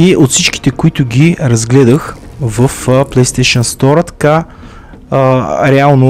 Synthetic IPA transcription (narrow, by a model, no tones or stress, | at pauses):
iʔot̪fsit͡ʃki̥t̪ɛkʊit̪ʊɡʲiɾɐzɡlɛd̪əxvəfplˠɛjst̪ɛʃənst̪ɔɾət̪ɐ̥ka | ɾɛalˠno